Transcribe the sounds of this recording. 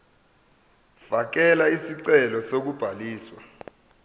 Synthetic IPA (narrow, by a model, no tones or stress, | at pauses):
v̥ak̬ɛlaisiǀɛlɔsok̬ub̥ʱaliːswa